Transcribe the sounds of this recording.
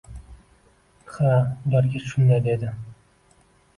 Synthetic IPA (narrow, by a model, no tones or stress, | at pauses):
χad̪æɾɡʲeʃʊnd̪ajd̪ed̪ɪ